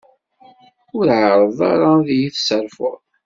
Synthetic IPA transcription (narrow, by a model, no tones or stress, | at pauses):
ʊɾʕəɾˤəðˤɑ̰ɾˤɑðjiθsəɾfʊɾˤ